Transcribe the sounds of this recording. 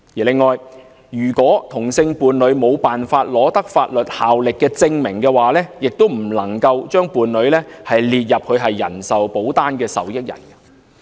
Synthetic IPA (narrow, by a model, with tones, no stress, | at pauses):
jiː˨˩lɪ˨ŋːɔː˨˩j | jyː˨˩kʷɔː˨˥t̪ʰʊ˨˩ŋsɪ˧ŋpuː˨˧nlɵ˨˥ɥmo˨˧wpaː˨nfaː˧t̚lɔː˨˥t̪ɐ˥k̚faː˧t̚lɵ˨t̚haː˨wlɪ˨kːɛː˧t͡sɪ˧ŋmɪ˨˩ŋkɛː˧waː˨lɛː˥jɪ˨k̚t̪o˥wm̩˨˩lɐ˨˩ŋkɐ˧wt͡ʃœː˥ŋpuː˨˧nlɵ˨˧ɥlɛː˥hɐ˨jliː˨t̚jɐ˨p̚kʰɵ˨˧ɥɦɐ˨jːɐ̰˨˩nsɐ˨wpo˨˥wt̪aː˥nkɛː˧sɐ̰˨wjɪ˥k̚jɐ̰˨˩nɐ˧